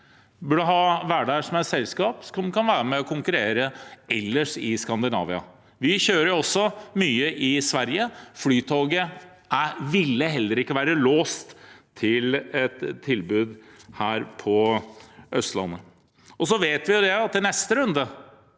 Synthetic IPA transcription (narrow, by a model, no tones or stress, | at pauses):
bœɖəɦɑːʋæːɖæʂɔmæsɛlskɑːpsɔmkɑnʋæːɾəmɛɔkʰʊŋkʉɾeːɾəɛlːəʂɪskɑnd̪ɪnɑ̰ːʋɪɑ̰ | ʋɪçøːɾəɾjʊɔsːɔmyːəʔɪsʋæɾjəflyːt̪ʰoːɡə | æʋɪlːəɦɛlːəɾɪkːəʋæːɾəloːst̪ʰː | ɪlɛt̪ʰːɪlbʉːd̪hæːɾpʰɔ | ʔœst̪lɑ̰nːə | ɔsɔʋeːt̪ʋɪjʊd̪ɛɑt̪̚ːɪlnɛst̪əɾʉnd̪ə